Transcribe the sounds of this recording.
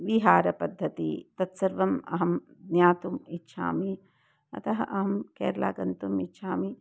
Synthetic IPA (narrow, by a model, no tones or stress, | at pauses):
ʋiɦaːɾɐpɐd̪ʱːɐt̪ḭt̪ɐt̪sɐɾʋɐmɐ̰ɦɐm | d̪njaːt̪umitːʃʰa̰ːmi | ɐ̰t̪ɐɦɐʔɐɦɐmkɛːɾla̰ːɡɐnt̪umitːʃʰaːmi